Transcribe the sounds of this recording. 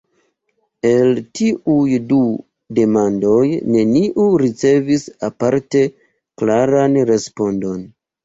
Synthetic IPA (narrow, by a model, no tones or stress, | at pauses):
e̞ltiʔujdu | de̞mando̞jne̞niʔuɾit͡se̞visapaɾte̞ | klaɾanɾe̞spo̞ndo̞n